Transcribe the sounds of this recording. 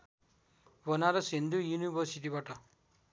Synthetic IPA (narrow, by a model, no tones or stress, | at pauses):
bʌnaɾʌsind̪ʱujunibʌɾsiʈibaʈʌ